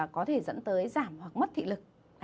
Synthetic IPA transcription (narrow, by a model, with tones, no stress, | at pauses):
kɔ˨˦t̪ʰe˧˩zə̰˧˥nt̪əː˨˦jzaː˧˩mhwa˨˩k̚mə˦˥t̚t̪ʰḭ˧˨lɨ˨˩k̚